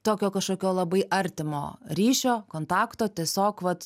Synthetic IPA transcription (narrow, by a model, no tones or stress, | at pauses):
t̪oːkʲoːkɐʃkoːkʲoːlˠɐbɐɪʔɐɾʲt̪ʲɪmo̰ːɾʲiːʃʲoːkoːnt̪ɑːkt̪oːt̪ʲiɛsʲoːkʋɐt̪